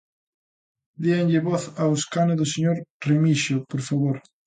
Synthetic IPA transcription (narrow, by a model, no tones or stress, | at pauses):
d̪iaɲʎeβoθawskanoðoseɲoɾremiʃopoɾfaβoɾ